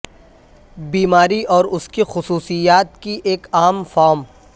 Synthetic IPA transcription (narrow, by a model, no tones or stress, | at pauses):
biːmaːɾiʔɔːɾʊskixʊsuːsijaːt̪̚kiʔeːkaːmfɔːɾm